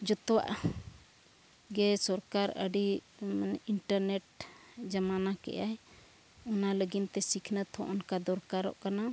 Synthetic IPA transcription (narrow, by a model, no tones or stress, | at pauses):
d͡ʒɔt̪ɔwa̰ʔ | ɡɛsɔɾkaɾəɖi | iɳʈəɾnɛʈ̚d͡ʒamanakɛ̰ʔa | ɔnaləɡint̪ɛsikʰnət̪ʰɔ̰ʔɔnkad̪ɔɾkaɾɔ̰ʔkana